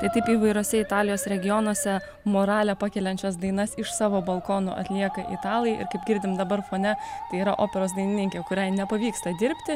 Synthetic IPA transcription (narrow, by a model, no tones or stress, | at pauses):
t̪ɐɪt̪ɐɪpiːʋɐɪɾoːsʲɛɪt̪ɑːlʲɪjoːsɾʲɛɡʲɪjonɔsʲɛ | moːɾɑːlʲɛpɑkʲɛːlʲɛnʲt͡ʃʲɛs̬d̪ɐɪnɐsɪʃsɑːʋoːbɐlˠkoːno̰ʔɐ̰t̪ʲlʲiɛkɐʔḭt̪ɑːlˠɐjʔɪ̰ɾkɐɪp̚ɡʲɪɾʲd̪ʲɪmd̪ɐbɐɾfoːnʲɛt̪ɐɪiːɾɐʔoːpʲɛɾoːsd̪ɐɪnʲɪnʲɪŋʲkʲeːkʊɾʲɛɪnʲɛpɐʋʲiːkst̪ɐd̪ʲɪɾʲpʲt̪ʲɪ